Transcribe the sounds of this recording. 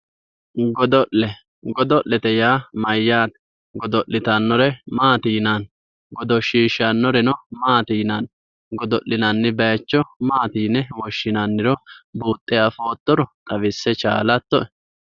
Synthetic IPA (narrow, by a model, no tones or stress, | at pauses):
ɡɔd̪ɔʔɛ | ɡɔd̪ɔʔːɛt̪ɛjaːmɐjːaːt̪ | ɡɔd̪ɔʔːɪt̪ɐnːɔɾɛmaːt̪iːnɐn | ɡɔd̪ɔʃiːʃːɐnːɔɾɛnɔmaːt̪iːnɐn | ɡɔd̪ɔʔːɪnɐnːɪbɐjɐt͡ʃːɔmaːt̪iːnɛwɔʃːɪnanːɪɾɔbuːt̪ʼːɛɐfoːt̪ːɔɾɔt̪ʼɐʋɪsːɛt͡ʃa̰ːlɐt̪ːɔʔɛ